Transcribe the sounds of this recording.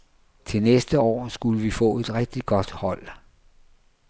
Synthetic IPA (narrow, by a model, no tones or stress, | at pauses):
t͡sʰe̝lnesd̥əɒ̰ːsɡ̥uləʋifɔ̰̽ːe̝d̥ʁɛɡ̥̚d̥iɡ̥ɒ̽d̥hɒ̽l̰